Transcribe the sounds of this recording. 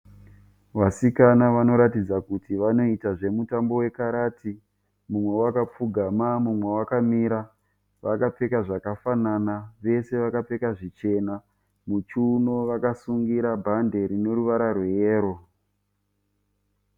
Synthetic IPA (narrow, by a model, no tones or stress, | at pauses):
ʋasikanaʋano̞ɾatid͡zakutiʋano̞itaʐe̞mutambo̞we̞kaɾaːti | mumwe̞wakap͡fuɡʱamamumwe̞wakamiɾa | ʋakape̞kaʐakafananaʋe̞se̞ʋakape̞kaʐit͡ʃe̞na | mut͡ʃuno̞ʋakasuŋɡiɾabʱande̞ɾine̞ɾuʋaɾarwejeːɾo̞